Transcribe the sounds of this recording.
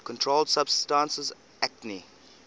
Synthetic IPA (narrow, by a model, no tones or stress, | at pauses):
kʰɔ̃ntʰɹoldsabstãnsəz | ɛkni